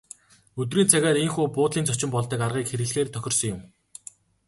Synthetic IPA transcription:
ɵt̪̬riːnt͡sʰæɣʲæːɾeŋxuːpʊːt̪ɮiːnt͡sʰɔt͡ɕɪ̆mpɔɮt̪ə̆karʁiːkxeɾɘɣ̆ɮxeːrt̪ʰœxʲɪ̆rsɞ̆ŋjʊm

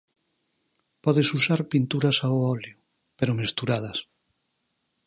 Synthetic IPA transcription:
pɔðesusaɾpint̪uɾɐsawɔljʊ | peɾʊmest̪uɾaðɐs

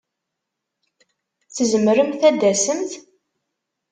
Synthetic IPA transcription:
θəzəməɾəmθæd̪ːæsəmt̪

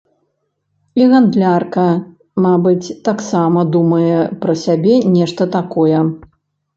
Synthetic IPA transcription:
iɣand̪lʲarkɐ | mabɨt͡sʲt̪aksamɐd̪umɐjɛpɾɐsʲabʲɛnʲɛʂt̪ɐt̪akɔjɛ

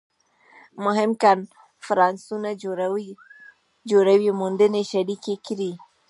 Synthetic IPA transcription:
mʊɦɪmkan | fɾɑnsuna | d͡ʒoɽawimund̪əneʃaɽikekɾi

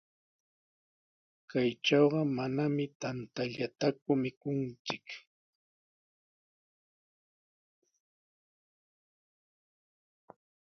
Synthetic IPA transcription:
kajt͡ʃɑwɢɑmanamɪt̪ant̪aʎat̪akʊmɪkʊnt͡sɪk

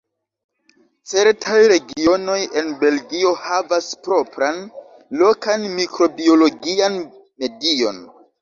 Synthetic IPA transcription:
t͡se̞ɾtʰajɾe̞ɡio̞no̞je̞nbe̞lɡio̞havaspɾo̞pɾan | lo̞kanmikɾo̞bio̞lo̞ɡian | me̞dio̞̰n

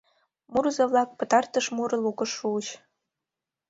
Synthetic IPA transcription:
murzɤβlˠɑk̚pɤ̆t̪ɑrt̪əʃmuɾɤlˠukɤ̆ʃːuəɕ

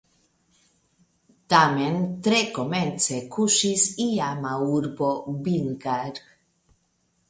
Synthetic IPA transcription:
t̪ament̪ɾekoment̪t͡sekuʃisiamauɾbobiŋɡaɾ

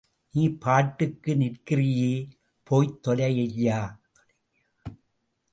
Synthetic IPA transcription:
niːpaːʈːɯkːɯnɪʈkɪɾɪjeː | pʰoːjt̪ːɔlɐɪlːaː

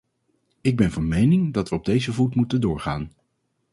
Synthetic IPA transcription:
ɪɡ̚bɛnvɑnmejnɪŋdɑtʋəɔb̚dejzəvutmutəndʊːɹχa̰ːn

